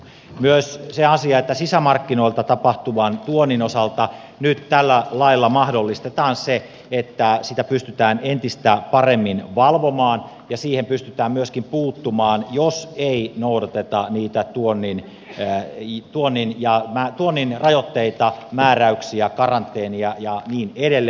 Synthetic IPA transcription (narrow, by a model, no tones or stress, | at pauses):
myøsseɑsiɑet̪ːæsisæmɑrkːino̞ilt̪ɑt̪ɑpɑht̪uʋɑnt̪uonːinosɑlt̪ɑ | nyt̪t̪ælːælɑilːɑmɑhdolːist̪et̪ɑːnse | et̪ːæsit̪æpyst̪yt̪æːnent̪ist̪æpɑremːinʋɑlʋomɑːn | jɑsiːhempyst̪yt̪æːmmyøskimpuːt̪ːumɑːnjoseinoudɑt̪et̪ɑniːt̪æt̪uonːin | t̪uonːinjɑmæt̪uonːinrɑjot̪ːeit̪ɑmæːræyksiækɑrɑnt̪ːˑeːniɑjɑniːnedelː